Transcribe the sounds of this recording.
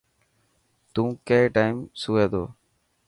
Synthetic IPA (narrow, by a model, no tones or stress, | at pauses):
t̪ũːkeːʈaːɪmsuːeːd̪o̰ː